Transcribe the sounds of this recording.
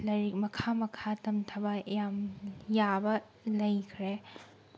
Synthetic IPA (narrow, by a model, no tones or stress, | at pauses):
lɐmɐkʰamɐkʰatɐmtʰɐbɐejamjabɐ | lɐjkʰɾe